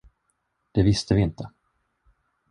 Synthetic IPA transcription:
d̪̥ɛvɪst̪əvɪɪnt̪ʰə

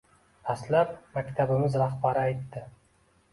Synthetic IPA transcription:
aslap̚makʲt̪ʰabɪmɪzɾaχbaɾɪajt̪ːɪ

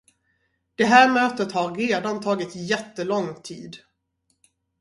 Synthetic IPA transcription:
d̪̥ɛɦæːɾmøːt̪ət̪haɾːeːd̪ant̪ʰɑːɡɪt̪jɛt̪ːəlɔŋːt̪ʰiːd̪

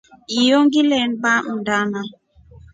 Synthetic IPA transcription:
ijoŋɡilɛnbaʔundana

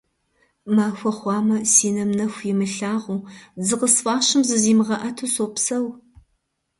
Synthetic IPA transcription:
maːxʷɐχʷɑːmɐsiːnɐmnɐxʷjɪmɨɬaːʁuːzɨqəsfaːɕɪmzɨziːmɨʁɐʔɐtʰusoːpsɐw

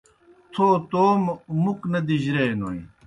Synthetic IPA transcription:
t̪ʰoːt̪oːmmuknɐd̪iʑɾenoːĩ

